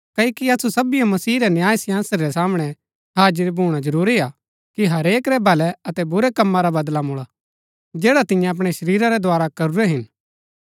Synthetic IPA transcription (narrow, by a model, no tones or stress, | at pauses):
kɐikiɐsusɐbijãmɐsiːɾɛnjaːjsɪjãːnsəɾɾɛsaːmɽ̃ɛ | ɦaːd͡ʒəɾbʱuːɽ̃ad͡ʒɐɾuːɾia | kiɦɐɾeːkɾɛbʱɐlɛɐt̪ɛbʊɾɛkɐmːaɾabɐd̪lamʊɭa | d͡ʒɛːɽat̪ɪ̃jãɐp̬ɽ̃ɛʃɐɾiːɾaɾɛd̪ʱwaːɾakɐɾuɾɛɦɪn